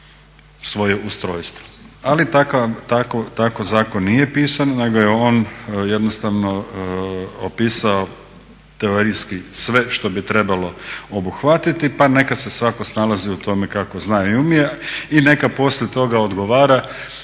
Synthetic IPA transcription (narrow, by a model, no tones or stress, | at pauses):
sʋo̞jeust̪ɾoːjst̪ʋo̥alit̪akat̪akot̪akozaːko̞nːije̞piːsanone̞ɡo̞jeo̞ːnje̞d̪nost̪aʋno̞ | opiːsao̞ | t̪e̞oɾijskisʋe̞ʃt̪o̞bit̪ɾe̞balo̞o̞buxʋat̪it̪ipane̞kase̞sʋako̞snalaziut̪o̞mekako̞znaːjoiumiaine̞kapo̞sʎet̪o̞ɡaod̪ɡo̞ʋaːɾa